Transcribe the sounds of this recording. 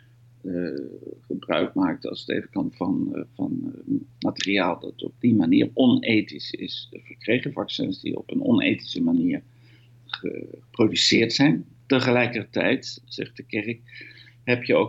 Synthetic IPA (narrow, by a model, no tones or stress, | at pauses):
χəbrœ̰ɥk̚maːk̚tɑ̰lˠsətḛːvəkɑntfɑnvɑ̰nmatəriaːlˠdɑ̰tɔ̰b̚dimanḭːrɔnejtisɪ̰sv̥əɹkrejχəvɑksɛ̰nzdḭɔ̰pənɔ̰nḛjti̥səmaniːɹ | χəəprowdysɪːɹtsɛjn | təχəlɛjkərtɛ̰jtz̥ɛ̰χt̚dəkɛrɪk̚ | ɦɛpjəo